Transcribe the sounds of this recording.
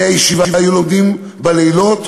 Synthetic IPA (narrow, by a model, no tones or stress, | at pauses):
ajeʃivavajulo̞md̪im | baleilo̞t̪